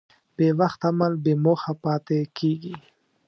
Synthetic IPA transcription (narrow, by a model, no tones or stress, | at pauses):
b̥ewaxt̪amalbemoxapɑːt̪ekeɡi